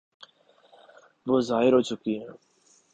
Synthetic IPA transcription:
ʋoːzaːɦɪɾɦoːt͡ʃʊkiɦɛ̃ː

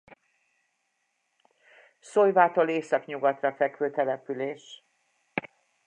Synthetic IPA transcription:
sojvaːt̪oleːsɒkɲuɡɒt̪rɒfɛkʋøːt̪ɛlɛpyleːʃ

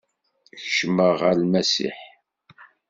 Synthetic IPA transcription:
çʃməʁəlmæsḭħ

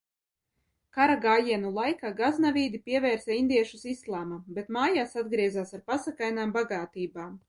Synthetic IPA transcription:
kaɾaɡaːjiɛnulˠajkaːɡaznavʲiːd̪ipiɛvɛːɾsɛind̪iɛʃusislˠaːmabet̪maːjaːsad̪̚ɡɾiɛzaːsaɾpasakajnaːmbaɡaːt̪iːbaːm

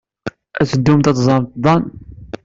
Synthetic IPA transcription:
æt͡səd̪ːumt̪æt̪zˤɑmt̪d̪ˤɑn

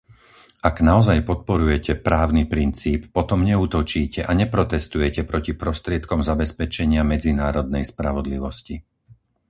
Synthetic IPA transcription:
aɡnaɔzajpɔt̪̚pɔɾujɛcɛpɾaːʊnipɾint͡siːpːɔt̪ɔmɲɛuːt̪ɔt͡ʃiːcɛʔaɲɛpɾɔt̪ɛst̪ujɛcɛpɾɔcipɾɔst̪ɾɪɛt̪kɔmzabɛspɛt͡ʃɛɲɪamɛd͡zinaːɾɔd̪̚nɛjspɾaʋɔd̪liʋɔsci

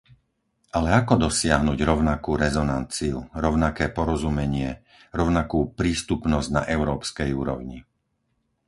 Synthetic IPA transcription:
ʔalɛakɔd̪ɔsɪaɦnuɟɾɔʊnakuːɾɛzɔna̰nt͡siuɾɔʊnakɛːpɔɾɔzumɛɲɪɛ | ɾɔʊnakuːpɾiːst̪upnɔzɟna̰ʔɛʊɾɔːpskɛjuːɾɔ̰ʊɲḭ

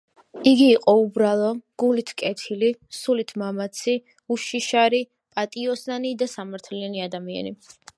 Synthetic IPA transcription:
iɡiːqʼɔubɾalˠɔɡ̥ulit̪ʰkʼɛt̪ʰilisulit̪ʰmamat̪sʰi | uʃiʃaɾi | pʼat̪ʼiɔsnanid̪asamaɾt̪ʰlianiad̪amia̰ni

